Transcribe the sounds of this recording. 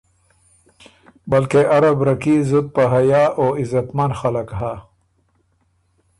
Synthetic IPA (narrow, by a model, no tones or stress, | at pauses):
balkeʔaɾabɾakizud̪̚paɦajaːʔoɪzat̪manxalakha